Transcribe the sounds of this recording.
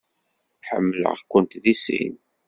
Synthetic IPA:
ħə̰mːələ̰ʁkʷənt̪ðisḭn

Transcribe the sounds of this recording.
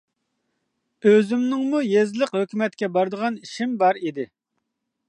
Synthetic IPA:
øzymnɪŋmujezləqhøkʲymɛt̪̚kʲɛbɑɾd̪əʁɑniʃimbɑɾid̪ɪ

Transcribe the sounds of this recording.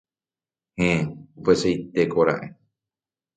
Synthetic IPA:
hẽupesejt̪ekoɾa̰ʔe

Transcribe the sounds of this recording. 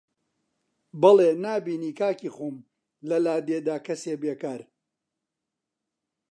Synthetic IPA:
bɐlˠenaːbiːniːkaːciːχum | lɐlaːd̪eːd̪aːkɐseːbeːkaːɾ

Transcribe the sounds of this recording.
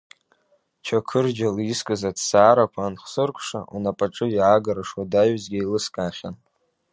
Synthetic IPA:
t͡ʃʰakʰɨrd͡ʒaliskʼɨzadsaːɾakʷʰanχsɨrkʷʰʂa̰unapʼaʈ͡ʂʼɨjʕaɡaɾaʂwadajzɡʲailɨskʼaːχʲan

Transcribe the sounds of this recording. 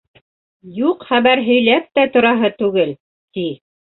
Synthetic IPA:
juqχæβæɾɦɵ̆jlæp̚t̪æt̪ŏɾɑɦɤt̪ʉɡɘl | t̪i

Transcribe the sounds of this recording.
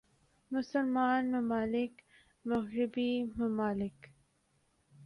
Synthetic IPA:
mʊsəlmaːnmɐmaːlɪk | mɐɣɾɪbimɐmaːlɪk

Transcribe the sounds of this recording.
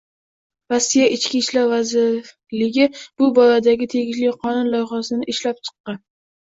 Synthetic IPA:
ɾasːijaʔɪt͡ʃkʲiʃlaɾvazɪɾ | lɪɡʲɪb̥ʊbɒɾad̪aɡʲɪt̪ʰe̞ɡʲɪʃlɪjqʰɒnʊnlˠɒjχɑsɪnɪʔɪʃlap̚t͡ʃʰɨ̥qːɑn

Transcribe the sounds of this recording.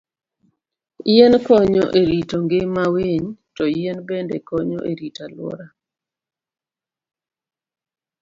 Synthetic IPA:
jenkɔɲɔʔeɾitoŋɡɪmaweɲtɔjenbendɛ̰kɔɲɔ̰ʔeɾitalwɔ̰ɾa

